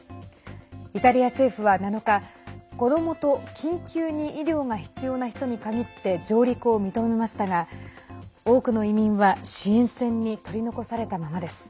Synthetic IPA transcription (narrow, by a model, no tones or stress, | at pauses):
it̪aɾʲiase̞ːɸɯ̟βanano̞kako̞d̪o̞mo̞t̪o̞kʲʰĩŋkʲɨːɲ̟iʔiɾʲo̞ːŋaçi̥t͡sɨjo̞ːnaçi̥t̪o̞ɲ̟ikaɡʲit̪ːe̞d͡ʑo̞ːɾʲikɯomʲit̪o̞me̞maɕi̥t̪aɡa | o̞ːkɯ̟no̞imʲĩɰ̃βaɕiẽ̞ɰ̃sẽ̞ɲ̟ːit̪o̞ɾʲino̞ko̞saɾe̞t̪amamad̪e̞sɨ̥